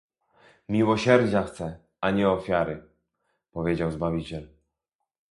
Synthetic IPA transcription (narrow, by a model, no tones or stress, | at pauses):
mʲiwɔɕɛɾd͡ʑaxt̪sɛ | aɲɛɔfʲjaɾɘ | pɔvʲjed͡ʑawzbavʲit͡ɕɛl